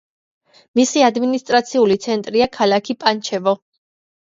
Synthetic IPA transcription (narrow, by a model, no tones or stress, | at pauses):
misiad̪minist̪ʼɾat̪sʰiulit̪sʰɛnt̪ʼɾiakʰalakʰipʼant͡ʃʰɛvɔ